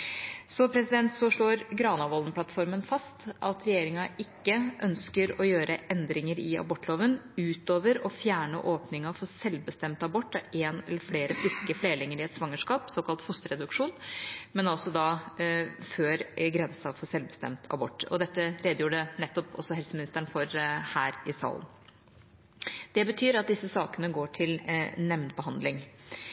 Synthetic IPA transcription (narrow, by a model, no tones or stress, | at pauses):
sɔpʰɾɛsɪd̪ɛnt̪sɔʂɭoːɾɡɾɑːnɑʋɔlnpʰlɑt̪fɔɾmənfɑst̪ʔɑt̪ʰɾɛjeːɾɪŋɑʔɪkːəʔœnskəɾɔjøːɾəʔɛnd̪ɾɪŋəɾɪɑ̰bɔʈːloːʋənʉːt̪oːʋəɾɔfjæːɳə̰ʔoːpnɪŋɑfɔɾsɛlʋbəst̪ɛmt̪ɑbɔʈːɑeːnɛ̰lːəɾfleːɾəfɾɪskəfleːlɪŋːəɾɪɛt̪sʋɑŋːəʂkɑːpsoːkɑlt̪fʊst̪əɾɛd̪ʉkʂuːnmɛnɔsɔd̪ɑ | føːɾɡɾɛnsɑfɔsɛlʋbəst̪ɛ̰mt̪ʰɑ̰bɔ̰ʈːɔ̰d̪ɛt̪ːəɾeːd̪əjuːɖənɛt̪ːɔpɔ̰sːɔhɛlsəmɪnɪst̪əɳ̩fɔɾhæːɾɪsɑ̰ːln | d̪̥ɛbət̪ʰyːɾɑt̪̚d̪ɪsːəsɑːkənəɡoːʈʰɪlnɛmnbəɦɑnd̪lɪŋ